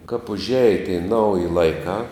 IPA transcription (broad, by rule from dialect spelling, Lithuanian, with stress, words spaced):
kɐp ʊʒʲˈæːjɛ tʲɛɪ ˈnɐʊjɪ lˠɐɪˈkɑː